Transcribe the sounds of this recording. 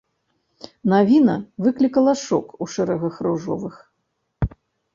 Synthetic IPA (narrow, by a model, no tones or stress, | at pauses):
navʲinɐvɨklʲikɐlˠɐʂɔ̰kuʂɛɾɐɣɐxɾuʐɔ̰vɨx